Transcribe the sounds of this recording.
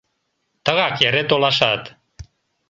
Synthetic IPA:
t̪əɣɑkjeɾet̪olɑʃɑt̪

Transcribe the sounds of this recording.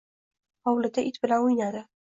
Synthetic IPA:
ɒwlɪt̪ʰaʔɪt̪bɪlanʊjnad̪ɪ

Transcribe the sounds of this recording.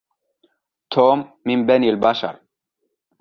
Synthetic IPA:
t̪ʰoːmːinbaniːlbaʃɑ̰ɾˤ

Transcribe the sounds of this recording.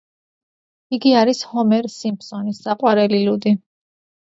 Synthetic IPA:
iɡiaɾishɔmɛɾsimpʰsɔnisːaqʼwaɾɛlilud̪i

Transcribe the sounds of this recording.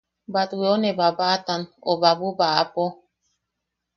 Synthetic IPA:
bateonebabatanɔbabubaapɔ

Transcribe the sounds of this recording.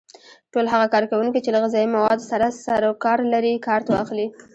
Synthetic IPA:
ʈolɦaɣakɑɾkawuŋkit͡ʃelaɣazɑimawɑd̪saɾasaɾakɑɾlaɾikɑɾt̪awɑ̰xli

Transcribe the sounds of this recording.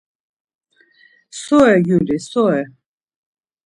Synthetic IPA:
sɔɛɡjulisɔɛ

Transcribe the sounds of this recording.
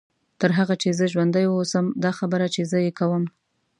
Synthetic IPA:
t̪əɾɦaɣat͡ʃezəʒwand̪əjwəosəmd̪ɑxabəɾat͡ʃezəjekawəm

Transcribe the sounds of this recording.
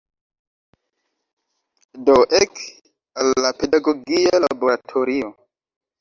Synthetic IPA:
doʔek | alːapedaɡoɡialaboɾatʰoɾio

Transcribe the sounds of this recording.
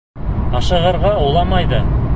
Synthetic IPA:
qɑʃɤ̆ʁɤ̆ɾʁɑulˠɑmɑjd̪ɤ

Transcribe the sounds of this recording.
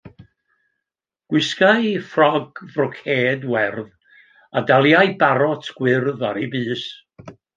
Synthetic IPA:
ɡ̥wɪskajfrɔɡvrɔkʰeːdwɛrð | adalˠjajbaɾɔtʰɡ̥wɪrðaɾibɨːs

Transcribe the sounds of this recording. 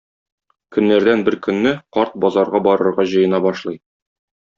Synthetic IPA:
kɵ̆nːæɾd̪ænbɘɾkɵ̆nːɘqɒɾt̪̚bɒzɑɾʁɑbɒɾɤ̆ɾʁɑʑɤ̆jɤ̆nɑbɒʃlˠɤj

